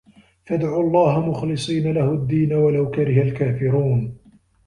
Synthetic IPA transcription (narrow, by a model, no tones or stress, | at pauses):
fad̪ʕuːɑlˤːɑːhamʊxlɨsˤiːnalahʊd̪ːiːnawalawkaɾɪhalkaːfɪɾuːn